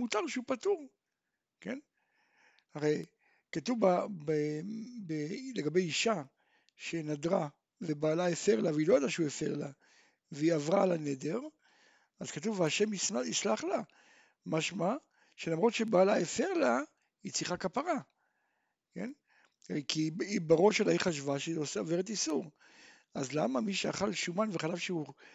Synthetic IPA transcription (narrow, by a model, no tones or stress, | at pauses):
mutaʁʃeupatuʁ | ke̞n | aʁej | katuvabebeleɡabe̞jiʃa | ʃenadʁa | vebaːlaefeʁlaveilo̞jad̪aʃeuefe̞ʁla | veiavʁaːlanede̞ʁ | azkatuveaʃe̞misaislaχla | maʃma | ʃelamʁo̞t̪ʃebaːlaefeʁla | it͡siχakapaʁa | ke̞̰n | kiibaʁo̞ʃalaiχaʃvaʃeosoveʁet̪̬isuʁ | azla̰mamiʃeaχalʃumanveχalavʃeu